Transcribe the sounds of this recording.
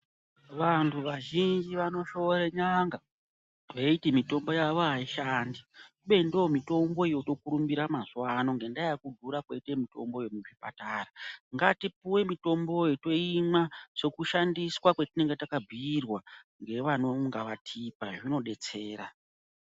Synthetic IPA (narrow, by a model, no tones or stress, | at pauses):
ʋantʰuʋaʒind͡ʒiʋano̞ʃo̞ɾeɲaŋɡa | ʋeitimito̞mbo̞jaʋoɦaiʃandikuɓe̞ndoomito̞mbo̞ijo̞to̞kuɾumbiɾamazwano̞ŋɡe̞ndajakudʱuɾakwe̞itemito̞̰mbojomuʐipa̰taːraŋɡatipuwe̞mito̞mbo̞joto̞imaʐ̥e̞kuʃandiswakwe̞tine̞ŋɡe̞takab͡vʱiːrwaŋɡe̞ʋano̞ŋɡaʋatʰipaʐino̞ɗe̞t͡se̞ːɾa